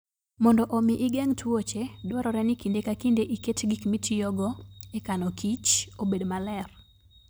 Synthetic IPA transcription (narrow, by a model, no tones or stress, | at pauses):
mɔndɔʔomiʔɪɡeŋtʰwot͡ʃedwɔɾɔɾɛnikindekakindeʔiketɡikmitʰijɔɡɔekanɔkit͡ʃobedmalɛr